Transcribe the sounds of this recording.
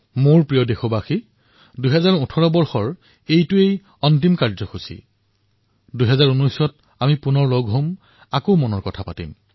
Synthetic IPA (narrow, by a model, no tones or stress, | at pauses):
moɹpɹijɔdexobaxi | dujɦɛzaɹutʰɔɹɔbɔɹxɔɹ | ejtʊej | ɔntimkaɹzɔxusḭ | dujɦɛzaɹunɔjsɔt | amipʊnɔɹloɡʱɦom | akomɔnɔɹkɔtʰapatim